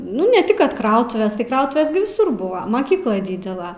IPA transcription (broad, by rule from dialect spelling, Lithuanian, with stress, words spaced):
ˈnʊ nʲɛ tʲɪk ˈkɐt ˈkrɐʊtʊʋʲeːs tɐɪ ˈkrɐʊtʊʋʲeːs ɡʲɪ ʋʲɪˈsʊr ˈbʊʋɐ mɐˈkʲiːklˠɐɪ ˈdʲiːdʲɛlˠɐ